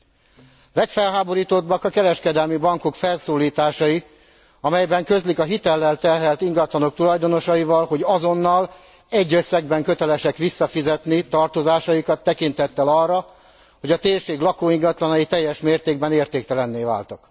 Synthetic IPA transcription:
lɛkfɛlɦaːbo̞ɾiːt̪o̞d̪bɒkɒkɛɾɛʃkɛd̪ɛlmibɒŋko̞kfɛlsoːliːt̪aːʃɒji | ɒmɛjbɛŋkø̞zlikɒɦit̪ɛlːɛlt̪ɛrɦɛlt̪iŋɡɒt̪lɒno̞k̚t̪ulɒjd̪o̞no̞ʃɒivɒlho̞ɟɒzo̞nːɒl | ɛɟːø̞sːɛɡbɛŋkø̞t̪ɛlɛʃɛkʋisːɒfizɛt̪nit̪ɒrt̪o̞zaːʃɒjikɒt̪ːɛkint̪hɛt̪ːɛlɒrːɒ | ho̞ɟɒt̪eːrʃeːɡlɒkoːiŋɡɒt̪lɒnɒjit̪ɛjːɛʃmeːrt̪eːɡ̚bɛneːrt̪eːkt̪ɛlɛnːeːva̰ːlt̪ɒk

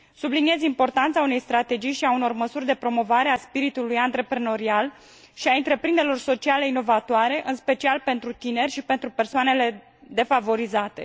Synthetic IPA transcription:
sublinie̞zimpo̞rt̪ant̪saune̞jst̪ɾat̪e̞d͡ʒijʃiauno̞rməsurʲd̪e̞pɾo̞mo̞vaɾe̞aspiɾit̪ulujant̪ɾe̞pɾeno̞ɾial | ʃiaɨnt̪ɾe̞pɾind̪eɾelo̞rso̞t͡ʃiale̞ino̞vat̪oaɾe̞ʔɨnspe̞t͡ʃialpe̞nt̪ɾut̪ine̞rʲʃipe̞nt̪ɾupe̞rsoane̞le̞ | d̪e̞favo̞ɾizat̪e̞̰

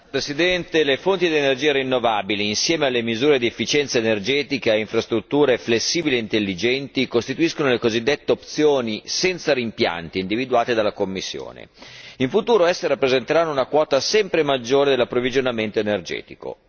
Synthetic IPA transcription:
pɾesid̪ɛnt̪elefont̪id̪ienerd͡ʒiːaɾinːovaːbiliːnsjɛːmealːemizuːɾed̪iefːit͡ʃɛnt̪saenerd͡ʒɛːt̪ikaeiɱfɾast̪ɾut̪ːuːɾeflesːiːbilieint̪elːid͡ʒɛnt̪ikost̪it̪uiskonolekozid̪ːet̪ːeop̚t̪sjoːnisɛnt̪saɾimpja̰nt̪iːnd̪ivid̪uaːt̪ed̪alːakomːisːjo̰ːnḛiɱfut̪uːɾoɛsːeɾapːɾezent̪eɾanːounakwɔːt̪asɛmpɾemad͡ʒːoːɾed̪elapːɾovid͡ʒonament̪oenerd͡ʒɛ̰ːt̪iko̰

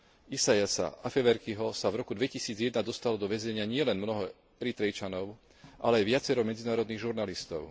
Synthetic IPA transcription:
isajasa̰ʔafɛʋɛɾkiɦɔsavɾɔkud̪ʋɛcisiːd͡zjɛd̪nad̪ɔst̪alɔd̪ɔʋɛzɛɲɪaɲɪɛlɛnmnɔɦɔ | ɛɾit̪ɾɛjt͡ʃanɔʊ | ʔa̰lɛajʋɪat͡sɛɾɔmɛd͡zinaːɾɔd̪niːɣʒuɾnalist̪ɔʊ

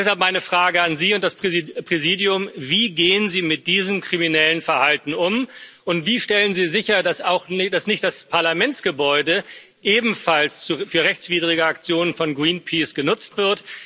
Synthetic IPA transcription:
d̥ɛshalp̚maɪnəfʁ̥aːɡəanziːʊntd̥aspʁpʁ̥eziːdiʊmviːɡeːənziːmɪt̚d̥iːzəmkʁ̥iminɛlənfɛɐhaltn̩ʊmʔʊntv̥iːʃtɛlənziːzɪçɐdasaʊxnɪd̥asnɪçt̚d̥aspʰaɐlamɛnsɡ̥əbɔʏdə | ʔeːbm̩falst͡sufyːɐʁɛçt͡sv̥iːdʁɪɡəak̚t͡sjoːnənfɔnɡʁiːnpʰiːsɡ̥ənʊt͡stv̥ɪɐt

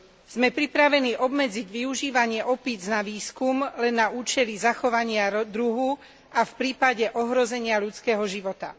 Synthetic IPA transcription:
z̥mɛpɾipɾaʋɛniːʔɔbmɛd͡ziɟʋiuʒiːʋaɲɪɛʔɔpid͡znaʋiːskumlɛnːauːt͡ʃɛlizaxɔʋaɲɪad̪ɾuɦu | ʔafpɾiːpaɟɛʔɔɦɾɔzɛɲɪaʎut͡skɛːɦɔʒiʋɔt̪a̰

